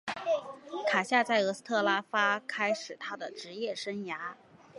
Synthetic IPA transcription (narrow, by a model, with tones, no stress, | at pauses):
kʰa˨˩ɕja˥˧t͡sa˥˩ɪɤ˧˥s̩˥t̪ʰɤ˥˩la˥fa˥kʰa˥ɪʂɻ̩˨˩t̪ʰa˥d̪ə˨ʈ͡ʂɻ̩˧˥jɛ˥˩ʂə˥ŋja˧˥